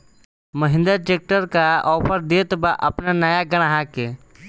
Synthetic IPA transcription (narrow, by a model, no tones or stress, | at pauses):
məɦɪ̃nd̪əɾʈek̚ʈəɾkaɔːpʰəɾd̪eːt̪baʔəpnanəjaɡəɽ̃aɦake